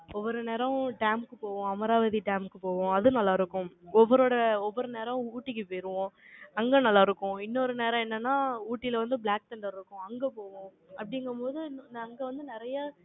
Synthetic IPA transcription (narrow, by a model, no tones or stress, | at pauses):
ɔʋːɔɾɯneːɾɐ̃ʈaːmkɯpoːʋʊ̃ɐmɐɾaːʋɐðiʈɐːmkɯpoːʋʊ̃ɐðɯnɐlːaːɪɾɯkːʊ̃ɔʋɔɾoːɽɐɔʋːɔɾɯneːɾɐ̃uːʈːɪkːɯpeːɾɯʋõɐŋɡenɐlːaːɪɾɯkːʊ̃ɪnːɔɾɯneːɾɐ̃ɛnːɐnːaːuːʈːɪlɐʋɐnd̪ɯbɭaːk̚sɐɳɖɐɾɪɾɯkːʊ̃ɐŋɡepoːʋʊ̃ | ɐpːɐɽɪŋɡɐmpoːðɯnɐŋɡɐʋɐnd̪ɯnɪɾɐja